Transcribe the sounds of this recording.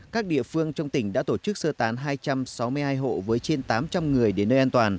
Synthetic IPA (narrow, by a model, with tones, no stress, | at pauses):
kaː˦˥k̚ɗḭ˧˨əfɨ˧əŋt͡ɕɔ˧wŋ͡mt̪ï˧˩ŋ̟ɗa̰ː˧˥t̪o˧˩t͡ɕɨ˦˥k̚səː˧t̪aː˨˦nɦaː˧jt͡ɕa˧msa˨˦wmɨ˧əjhaː˧jɦo̰˧˨vəː˨˦jt͡ɕe˧nt̪aː˨˦mt͡ɕa˧mŋɨ˨˩əjɗe˧˩nəː˧jʔaː˧nt̪waː˨˩n